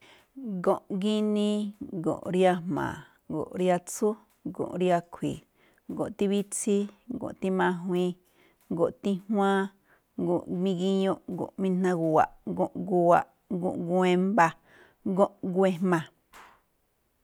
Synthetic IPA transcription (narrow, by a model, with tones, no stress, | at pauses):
ɡõ˨ʔɡi˦nĩ˦ɡõ̰˨ʔɾi˦a˧mmã̰˨ | ɡo̰˨ʔɾja˧t͡su˦ | ɡõ̰˨ʔɾja˧kʷʰḭ˨ | ɡo˨t̪i˧βi˦t͡si˦ɡõ̰˨ʔt̪i˦mã˧ɦwĩ˧ | ɡo˨ʔt̪i˦hw̃ã˦ | ɡo˨ʔmĩ˧ɡi˦ɲõ˧˦ʔɡo̰˨ʔmĩ˧n̥ã˧ɡu˧wa̰˨ʔɡõ˧ʔɡu˧wa˨ʔ | ɡõ̰˧˨ʔɡu˧e˧mba˧ | ɡõ˦ʔɡwe˧mã˨